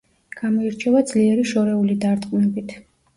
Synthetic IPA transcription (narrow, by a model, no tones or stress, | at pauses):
ɡ̥amɔiɾt͡ʃʰɛvad̪zliɛɾiʃɔɾɛulid̪aɾt̪ʼqʼnɛbit̪ʰ